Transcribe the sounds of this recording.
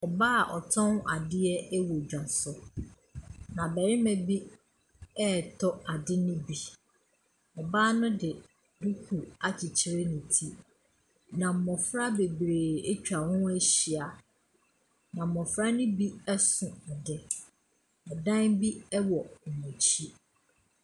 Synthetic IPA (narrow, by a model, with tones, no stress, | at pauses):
ɔ˨baː˦˨ʔɔ˨tʰɔ̃˦na˨dɪ˦ɛ˦ɛ˦wɔ˨d͡ʑᶣã˨n˨sʊ˦ | nã˨bɛ˨ɾɪ˦mɛ̃˨bi˦ | ɛ˦˨tʰɔ˦a˨dɪ˦nʊ̃˦bi˨ | ɔ˨baː˦nʊ̃˦dɪ˨ | du˦kʰu˨a˨t͡ɕʰɪ˨t͡ɕʰɪ˦ɾe˦nʊ̃˨tʰi˦ | nã˨m̩˨mɔ̃˨fɾa˦be˨bɾeː˨e˦t͡ɕᶣa˨wʊ̃˦ɛ˦ɕi˨a˨ | nã˨m̩˨mɔ˨fɾa˦nʊ̃˦bi˦ɛ˦sʊ̃˨ɔ˨dɪ˦ | ɔ˨dã˦nbi˦ɛ˦wɔ˨mũ˨t͡ɕʰi˦